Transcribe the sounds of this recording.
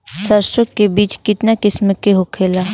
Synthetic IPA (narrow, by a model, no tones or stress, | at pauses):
sɐɾʃokkːebiːt͡ʃkɪt̪nakɪsməkeɦokʰeːla